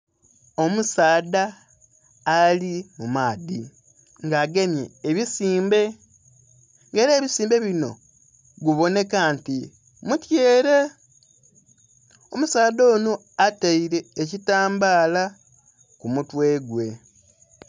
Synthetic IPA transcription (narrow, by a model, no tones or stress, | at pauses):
o̞musaːdaː | limumaːdi | ŋɡaːɡe̞mjḛːβisiːmbe̞ | ŋɡe̞ːɾe̞ːβisiːmbe̞βino̞̰ | ɡuβo̞ne̞kanti | mutjeːɾe̞ | omusaːdoːno | ataiɾe̞ːcitaːmbaːla | kumutwe̞ːɡwe̞